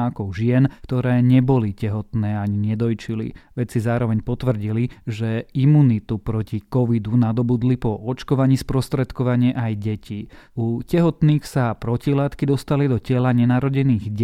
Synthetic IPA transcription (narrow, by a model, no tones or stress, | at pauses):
akɔʊʒɪɛnkt̪ɔɾɛːɲɛbɔlicɛɦɔt̪nɛːaɲiɲɛd̪ɔjt͡ʃilḭʋɛt͡sizaːɾɔʋɛɲpɔt̪ʋr̩ɟiliʒɛimuːnit̪upɾɔcikɔʋid̪unad̪ɔbud̪lipɔɔt͡ʃkɔʋaɲiːspɾɔst̪ɾɛt̪kɔʋaɲɪɛʔajɟɛcʰiucɛɦɔt̪niːxsapɾɔcilaːt̪kid̪ɔst̪alid̪ɔcɛlaɲɛnaɾɔɟɛniːɣɟ